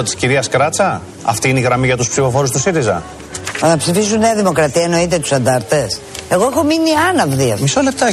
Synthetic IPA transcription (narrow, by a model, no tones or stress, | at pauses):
ot̪i̥sciɾiɐskɾɐt͡sɐ | ɐ̰ft̪iineiɣɾɐmiʝɐt̪uspsifo̞fo̞ɾust̪usiɾizɐ̰ | ɐpsifisuneɐðimo̞kɾɐt̪iɐeno̞it̪̬et̪u̥sɐnd̪ɐɾt̪e̞se̞ɣo̞exo̞miniɐnɐvðiɐ̰misole̞p̚t̪ɐ